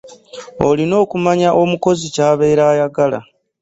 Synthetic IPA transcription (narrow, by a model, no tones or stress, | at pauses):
o̞̰lino̞ːkumaɲaʔo̞muko̞zicaːβe̞ːɾaːjaɡala̰